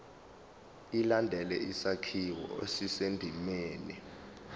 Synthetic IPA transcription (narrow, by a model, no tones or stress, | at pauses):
ilandʱɛlɛisakʰiwɔ̰esisendʱimeːni